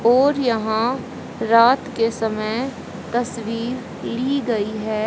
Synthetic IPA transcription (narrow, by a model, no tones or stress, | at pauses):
ɔːɾjɐɦã | ɾaːt̪kesɐməj | t̪ɐsʋiːɾ | liːɡɐiɦɛː